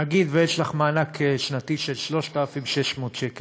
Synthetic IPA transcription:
aɡid̪vejeʃlaχmaːnakeʃnat̪iʃelʃlo̞ʃt̪afimbʃeʃmoːt̪ʃekel

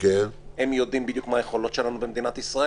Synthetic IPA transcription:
enemjod̪imbid̪jukmaːjeχo̞lo̞t̪ʃelanubemd̪inat̪isʁa

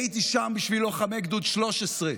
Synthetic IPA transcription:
it̪iʃambiʃviloχamekd̪ud̪ʃlo̞ʃesʁe

